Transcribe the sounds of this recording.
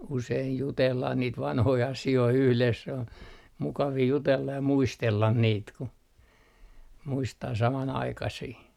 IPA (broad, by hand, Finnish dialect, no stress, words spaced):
useij jutelːɑh niːt ʋɑnhoi ɑsioi yhles sĕ on mukɑʋiː jutelːɑ jɑ muistelːɑn niːt ku muistɑː sɑmɑnɑikɑsiː